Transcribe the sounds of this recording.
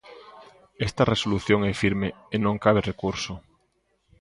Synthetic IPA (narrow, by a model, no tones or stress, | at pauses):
est̪aresoluθjõŋɛfiɾmeenõŋkaβ̞erekuɾso